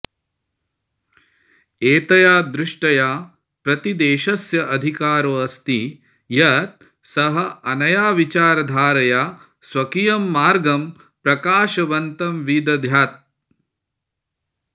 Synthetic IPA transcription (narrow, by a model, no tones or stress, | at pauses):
eːt̪ɐjaːd̪ɾɪʂʈɐjaː | pɾɐt̪id̪eːʃɐsjɐʔɐd̪ʱikaːɾoːɐst̪i | jɐt̪̚ | sɐɦɐ̆ɐnɐjaːʋit͡ʃaːɾɐd̪ʱaːɾɐjaː | sʋɐkijɐmːaːɾɡɐm | pɾɐkaːʃɐʋɐnt̪ɐmʋid̪ɐd̪ʱjaːt̪̚